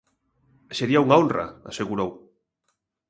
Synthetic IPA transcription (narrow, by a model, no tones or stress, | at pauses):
seɾiauŋaonra̰aseɣuɾow